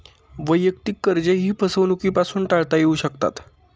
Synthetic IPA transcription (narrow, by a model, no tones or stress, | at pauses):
ʋəjək̚t̪ikːəɾd͡ʑəjɦiːpʰəsəʋnukiːpasuːnʈaɭt̪ajeuːɕəkt̪a̰t̪